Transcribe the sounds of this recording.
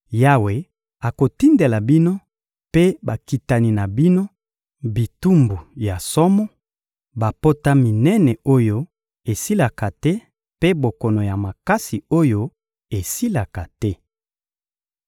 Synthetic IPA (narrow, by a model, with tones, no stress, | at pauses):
ja˦we˨ | a˨ko˨ti˦nde˨la˨bi˦no˦ | pe˦ba˨ki˨ta˨ni˨na˨bi˦no˦ | bi˨tu˦mbu˨ja˨sɔ˦mɔ˦ | ba˨po˦ta˦mi˨nɛ˦nɛ˨o˦jo˦ | e˨si˦la˨ka˨tɛ˦ | pe˦bo˨kɔ˨no˨ja˨ma˨ka˦si˨o˦jo˦ | e˨si˦la˨ka˨tɛ˦